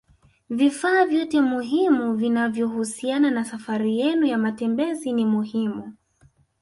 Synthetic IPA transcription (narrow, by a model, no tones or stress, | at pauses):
vifaːvjɔtɛmuɦimuvinavjɔhusiananasafaɾijɛnujamatɛmbɛzinimuhimu